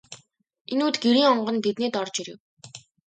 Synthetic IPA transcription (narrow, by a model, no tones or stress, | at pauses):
enuːt̪ɡeɾiːŋɔɴɢɞ̆nt̪et̪neːt̪ɔrt͡ɕiɾew